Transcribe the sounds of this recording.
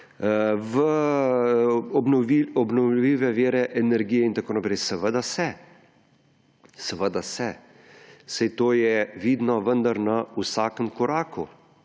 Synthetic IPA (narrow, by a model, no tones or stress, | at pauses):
ʋə | ɔbnɔiɔbnɔwliːʋɛʋeːɾɛʔɛnɛɾɡiːjɛint̪akoːnapɾɛjsɛʋəd̪asɛ | sɛʋəd̪asɛ | sɛjt̪oːjɛʋiːd̪nɔʋənd̪aɾnɐusaːkəmkɔɾaːku